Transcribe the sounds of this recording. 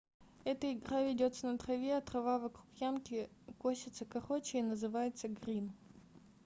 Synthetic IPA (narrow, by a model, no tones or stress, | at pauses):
ɛt̪əɪɡɾavʲɪdʲo̞t̪sənət̪ɾɐvʲeɐt̪ɾɐvavɐkɾukjamkʲɪkosʲɪt̪səkɐχot͡ɕɪnəzɨvajɪt̪səɡɾʲin